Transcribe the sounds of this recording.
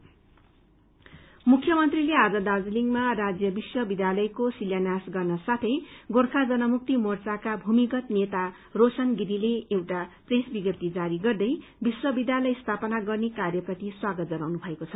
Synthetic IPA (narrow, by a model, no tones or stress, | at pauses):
mukʰːjʌmʌnt̪rilead͡zʌd̪ad͡zuliŋɡmarad͡zjʌbiswʌbid̪jalʌjkosiljanasɡʌrnʌsat̪ʰʌjɡorkʰad͡zʌnʌmuk̚t̪imort͡sakabʱumikʌt̪net̪a | rosʌnɡiɾileewʈapresbiɡjʌp̚t̪id͡zaɾiɡʌrd̪ʌjbiswʌbid̪jalʌjst̪ʰapʌnaɡʌrnekarjʌpʌt̪iswaɡʌt̪̚d͡zʌnawnubʱʌekot͡sʰʌ